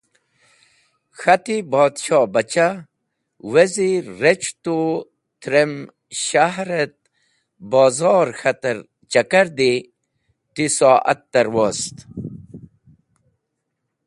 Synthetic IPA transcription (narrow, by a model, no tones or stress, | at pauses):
xat̪ibɑːd̪ʃɑːbat͡ʃa | weziɾːet͡ʃt̪o | t̪ɾem | ʃaɦɾet̪̚ | bɑːzɑːɾxat̪aɾ | t͡ʃakaɾd̪i | t̪isɑːʔa̰t̪̚d̪ɐɾwoːst̪